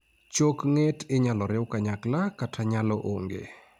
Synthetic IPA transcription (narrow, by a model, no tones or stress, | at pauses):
t͡ʃokŋetɪɲalɔɾɪwkaɲaklakatʰaɲalɔʔoŋɡḛ